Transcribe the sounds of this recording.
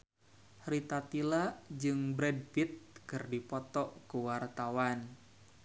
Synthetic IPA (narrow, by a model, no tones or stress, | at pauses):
hrit̪at̪ilad͡ʒɨŋbɾɛd̚fit̪̚kɨrdipɔt̪ɔʔkuwart̪awan